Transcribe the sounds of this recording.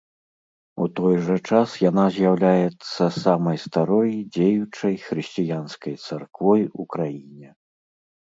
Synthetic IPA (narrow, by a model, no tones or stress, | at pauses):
ut̪ɔjʐɐt͡ʂasjanazʲjawlʲajɛt̪sːɐsamɐjst̪aɾɔjd͡zʲejut͡ʂɐjxɾɨsʲt͡sʲijanskɐjt̪sarkvɔjukɾajinʲɛ